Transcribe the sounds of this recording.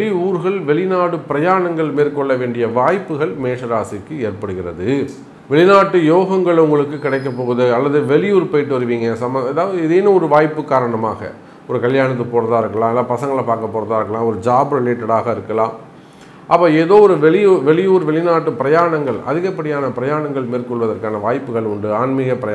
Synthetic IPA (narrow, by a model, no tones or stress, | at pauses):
ɭɪuːɾɣɐɭʋɛɭɪnaːɽɯpɪɾɐjaːɾɐɳɐŋɡɐɭmeːɾkɔɭːɐʋeːɳɖɪjɐʋaːjpːɯɣɐɭmeːʂɐɾaːsɪkːɯeːɾpɐɽɯɣɪrɐðɯ | ʋɛɭɪnaːʈːɯjoːɣɐŋɡɐɭʊŋɡɐɭɯkːɯkːɪɽɐɪk̬ːɐpːoːɣɯðɯɐlːɐðɯʋɛɭɪjuːɾpɐjɪʈːɯʋɐɾɯʋiːŋɡɐsɐmɐðaːʋɐðɯɪðeːnɯɔɾɯʋaːjpːɯkːaːɾɐɳɐma̰ːɣɐ̰ | ɔɾɯkɐljaːɳɐt̪̬ːɯpoːɾɐðaːɪɾɯkːɐlãːɛlːaːpɐsɐŋɡɐɭpaːɾkɐpːoːɾɐðaːɪɾɯkːɐlãːɔɾɯd͡ʒaːbɯɾɐleːʈːɐɽaːɣɐɪɾɯkːɐlãːm | ʔɐpːɐːeːðoːɔɾɯʋɛɭɪjuːʋɛɭɪjuːɾʋɛɭɪnaːʈːɯpɪɾɐjaːɳɐŋɡɐɭʔɐ̰ðɪɣɐpːɐɽɪjaːnɐpɪɾɐjaːɳɐŋɡɐɭmeːɾkɔɭʋɐðɐɾkaːnɐʋaːjpːɯɣɐɭʊɳɖɯaːnmɪɣɐpɪɾɐj